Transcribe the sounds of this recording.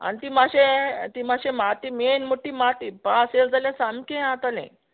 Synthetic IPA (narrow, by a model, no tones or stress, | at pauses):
a̰nit̪imaɕet̪imaɕemat̪imenmuʈːimat̪ipaseld͡zalãsamkẽat̪alḛ̃